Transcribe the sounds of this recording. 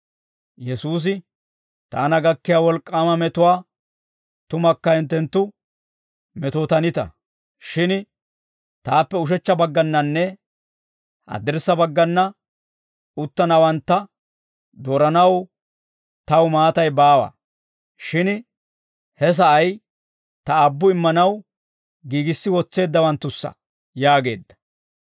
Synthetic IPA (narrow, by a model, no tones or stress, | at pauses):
jɛsuːs̬ɪ | t̪a̰ːnɐɡɐkːɪjaːwɔlkʼːaːmɐmɛt̪ʊwaː | t̪ʊmɐkːɐɪnt̪ːɛnt̪ːʊ | mɛt̪ot̪ɐnɪt̪ɐ̰ | ʃɪn | t̪aːpːɛʊʃ̬ɛt͡ʃːɐbɐɡːɐnːɐnːɛ | ʔɐ̰d̪ɪɾsːɐbɐɡːɐnːɐ | ʊt̪ːɐnɐwɐnt̪ːɐ | d̪oːɾɐnɐw | t̪ɐwmaːt̪ɐjbaːwɐ̰ | ʃɪn | hɛs̬ɐʔɐj | t̪ɐːbːʊɪmːɐnɐw | ɡiːɡɪsːɪwɔt͡sːe̞ːd̪ːɐwɐnt̪ːʊsːɐ̰ | jaːɡe̞̰ːd̪ːɐ̥